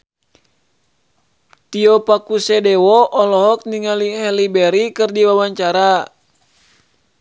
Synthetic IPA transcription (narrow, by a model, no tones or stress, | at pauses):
t̪iɔpakusɛdɛwɔʔɔlɔɦɔk̚niŋaliɦɛlibɛɾikɨrdiwawaɲt͡ʃaɾa